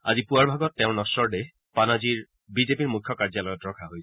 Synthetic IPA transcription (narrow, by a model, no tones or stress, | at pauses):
a̰zipuaɹbʱaɡɔtːɛʊɹnɔsɔɹɖe | panaziɹ | bizepiɹmukʰːjɔkaɹzalɔjɔtɹɔkʰaɦojsɛ